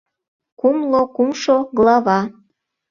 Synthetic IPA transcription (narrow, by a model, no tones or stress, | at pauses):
kumlˠokumʃoɡlɑβɑ